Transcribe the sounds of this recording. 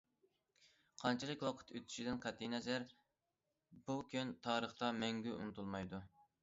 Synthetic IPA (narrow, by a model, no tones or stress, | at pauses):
qʰɑnt͡ʃʰilˠɨkʲwɑqʰə̥t̪ʰøt̪ʰy̥ʃid̪ɪnqʰæt̪ʰːinɛzæɾ | bukʲʰynt̪ʰɑːɾəχt̪ɑmɛŋɡʲyʔṵnɨt̪ʰulˠmɑjd̪u